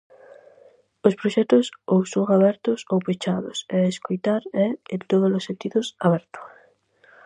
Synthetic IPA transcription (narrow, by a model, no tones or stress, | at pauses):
ospɾoʃɛt̪ʊsowsoaβɛɾt̪ʊsowpet͡ʃaðo̰sɛeskojt̪aɾɛet̪oð̞olosːent̪iðʊsaβɛɾt̪o̥